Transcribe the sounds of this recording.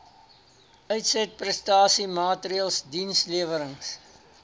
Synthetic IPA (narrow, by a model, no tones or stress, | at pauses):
œɥtsɛt̚prɛstɑːsimɑːtɾiəlˠsdinsliəvəɾəŋs